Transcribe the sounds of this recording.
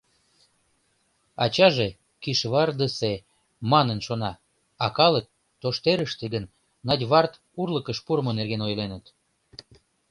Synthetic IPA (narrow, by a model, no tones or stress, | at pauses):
ɑ̰t͡ɕɑʒe | kiʃβɑrd̪əse | mɑnənʃonɑ | ɑkɑlək̚ | t̪ːoʃt̪eɾəʃt̪eɣənː | ɑd̪ʲβɑrt̪ | urləkəʃpuɾmonerɣenojlenət̪